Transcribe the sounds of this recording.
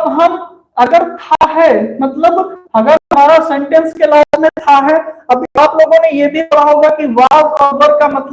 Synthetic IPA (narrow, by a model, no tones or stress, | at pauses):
ɐbɦɐm | ɐɡəɾt̪ʰaɦɛmɐt̪ləbɦɐɡəɾɦɐm̤aːɾasẽɳʈẽnskelaːmẽt̪ʰaɦɛɐbneaːploːɡõnẽjebʱikɐɽ̤aɦoːɡakiʋaːʋɔːbəɾkamɐt̪l